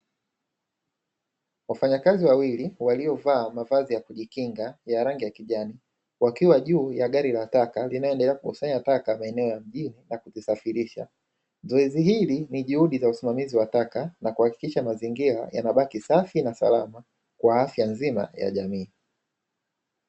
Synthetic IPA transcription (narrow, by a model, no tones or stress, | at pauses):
wafaɲakaziwawiliwaliɔvaːmavazijakuʄikiŋɡajaɾaŋɡijakiʄani | wakiwaʄuːjaɠaɾilatakalinajɔɛndɛlɛakukusaɲatakamaɛnɛɔjam̩ʄininakutisafiɾiʃa̰ | zɔɛzihiliniʄuhuɗizausimamiziwatakanakuhaki̥kiʃamaziŋɡiɾa̰ja̰naɓakisafinasa̰lama | kwaafjanzima̰ja̰ʄamiː